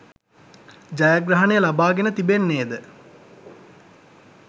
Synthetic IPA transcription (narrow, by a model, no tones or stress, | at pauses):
d͡ʒajaɡɾaɦɐnejəlabaːɡenət̪ibenːeːd̪ə